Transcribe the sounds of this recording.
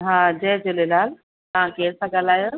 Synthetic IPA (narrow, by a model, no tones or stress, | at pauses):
ɦãːd͡ʑɛɦd͡ʑolelaːl | t̪ɐɦãkeːɾsãɡalaːjo